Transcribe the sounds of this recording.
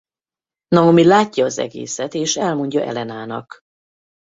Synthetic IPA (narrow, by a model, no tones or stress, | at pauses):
nɒomilaːcːɒːzɛ̰ɡḛːsɛt̪eːʃɛlmo̞ɲɟɒʔɛ̰lɛnaːnɒ̰k